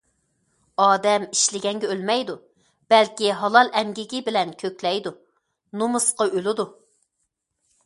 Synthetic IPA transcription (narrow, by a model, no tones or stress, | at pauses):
ɑːd̪ɛmiʃlɪɡʲɛŋɡʲɛølmɛjd̪u | b̥ɛlkʲiɦɑlˠɑlˠɛmɡʲiɡʲɪbɪlɛnkʲʰøkʲlɛjd̪u | nomɨsqɑʔølɪd̪u